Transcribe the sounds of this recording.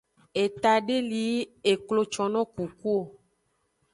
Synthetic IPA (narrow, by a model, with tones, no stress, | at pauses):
e˨t̪a˨ɖe˦li˨˦e˨klo˦t͡ʃɔ˨nɔ̃˦ku˨ku˦o˨